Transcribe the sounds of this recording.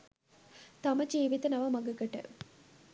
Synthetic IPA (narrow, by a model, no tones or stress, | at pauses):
t̪aməd͡ʒeːʋit̪ənɐʋɐmɐɡəɡəʈə̰